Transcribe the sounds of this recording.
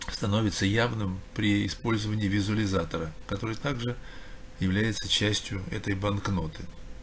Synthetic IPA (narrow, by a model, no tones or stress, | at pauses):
st̪ɐno̞vʲɪt̪səjavnɨmpɾʲɪɪspo̞lʲzəvənʲɪːvʲɪzʊəlʲɪzat̪əɾəkɐt̪o̞ɾɨjt̪aɡʐɨ | jɪvlʲæjɪt̪sət͡ɕæsʲtʲjʊɛt̪əjbɐnkno̞t̪ɨ